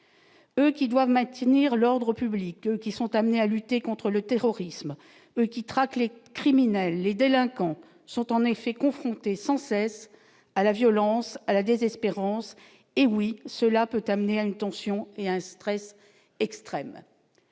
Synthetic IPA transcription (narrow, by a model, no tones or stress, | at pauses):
økʲid̪wavmɛ̃t̪niʁlɔʁd̪ʁəpyblikøkʲisɔ̃t̪amnealyt̪ekɔ̃t̪χələt̪eʁɔʁism | økʲit̪χaklekχiminɛlːed̪elɛ̃kɑ̃ | sɔ̃t̪ɑ̃nefɛkɔ̃fχɔ̃t̪esɑ̃sɛs | alavjɔlɑ̃salad̪ezɛspeʁɑ̃s | ewisəlapøt̪amneaynt̪ɑ̃sjɔ̃eaɛ̃st̪χɛs | ɛkst̪χɛm